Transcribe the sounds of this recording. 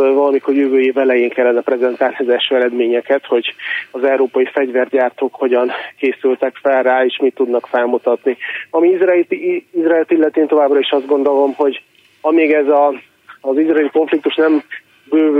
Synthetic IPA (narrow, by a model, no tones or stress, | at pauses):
vɒlɒmiko̞rjøvøːjeːvɛlɛjeːŋkɛlːɛnɛprɛzɛnt̪aːlniɒzɛlʃøːɛɾɛd̪meːɲɛkɛt̪ho̞ɟɒzɛwɾoːpɒifɛɟvɛrɟaːrt̪oːkho̞ɟɒŋkeːsylt̪ɛkfɛlraːeːʃmit̪ːud̪nɒkfɛlmut̪ɒt̪niɒmiizrizraɛlt̪ilːɛt̪eːnt̪o̞vaːbrɒiʃɒzd̪ɡo̞n̪d̪o̞lo̞mho̞ɟ | ɒmeːɡɛzɒː | zizraɛːliko̞ɱflik̚t̪uʃnɛm | bøː